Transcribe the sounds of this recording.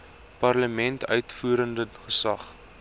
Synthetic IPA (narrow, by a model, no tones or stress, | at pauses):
pɐrləmɛntʰœ̰ɥtfuːɾəndəχəsɐχ